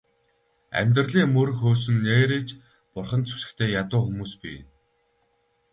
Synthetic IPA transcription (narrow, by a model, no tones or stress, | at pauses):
æ̰mʲt̪̬rɮiːŋmɵɾxoːs̬ɵ̆nːeːɾeːt͡ɕ | pʊrχə̆nt͡sʰu̥sɘ̆kt̪ʰeːjat̪ʊːxumuːspḭː